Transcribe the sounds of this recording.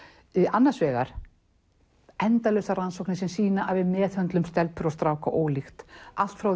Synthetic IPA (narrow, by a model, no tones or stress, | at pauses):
anːḁsvɛːɣa̰ɾ̥ | ɛnt̪alœst̪aransɔwknɪsɛmsiːnaʔavɪðmɛːθhœnt̪lʏmst̪ɛlpʏɾɔst̪ɾaːwkaʔoːwlixt̪al̥t̪fɾaw